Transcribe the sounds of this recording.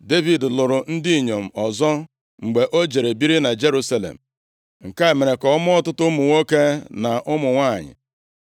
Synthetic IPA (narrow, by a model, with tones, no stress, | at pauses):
de˦vi˨dlʊ˨ɾʊ˨n̩˦dɪ˦i˨ɲo˨m̩˨ɔ˨zɔ˦ | ŋ͡m̩˨ɡ͡be˨ʔo˦d͡ʒe˨ɾe˨bi˦ɾi˦na˨d͡ʒe˦ɾu˦sa˦lḛ˨m̩˨ | ŋ̩˨ka˦e˨me˨ɾe˨kɔ˨˦mʊ˦ɔ˦tʊ˦tʊ˦mʊ˨ŋo˦ke˦na˨ʔʊ˦mʊ˨ŋʷa˦˨ɲɪ̰˨